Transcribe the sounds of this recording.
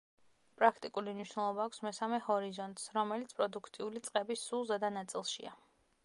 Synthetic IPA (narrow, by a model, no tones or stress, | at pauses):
pʼɾakʰt̪ʼikʼuliniʃnɛlˠɔbaːkʷʰsmɛsamɛhɔɾizɔnt̪ʼsɾɔmɛlit̪sʰpʼɾɔd̪ukʰt̪ʼiulit̪sʼqʼɛbisulˠzɛd̪anat̪sʼilˠʃḭa̰